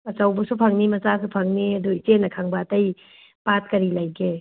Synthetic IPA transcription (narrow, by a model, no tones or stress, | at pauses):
ɐt͡ʃawbɐsupʰaŋnimɐsasupʰɐŋniɐduit͡ʃenɐkʰaŋbaːtɐj | pat̚kɐɾilajɡe